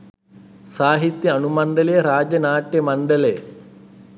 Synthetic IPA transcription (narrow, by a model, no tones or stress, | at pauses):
saːɦit̪jɐɐnumɐɳɖ̪ɐlejɐɾaːd͡ʒɐnaːʈjɐmɐɳɖɐleː